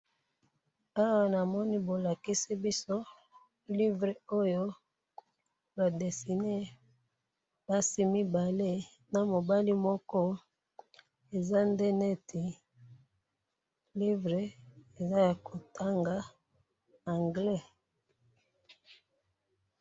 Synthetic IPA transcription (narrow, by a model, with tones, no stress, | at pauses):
a˦wa˦na˨mɔ˦ni˦bo˨la˨ki˦si˦bi˦so˦ | li˦vʁe˨o˦jo˦ | ba˨de˨si˨ne˦ | ba˦si˦mi˦ba˨le˦ | na˨mo˨ba˦li˦mɔ˦kɔ˦ | e˨za˦nde˦ne˦tʰi˨ | li˦vʁe˨e˨za˦ja˨ko˨tʰa˦ŋɡa˨ | a˨ŋɡlɛ˦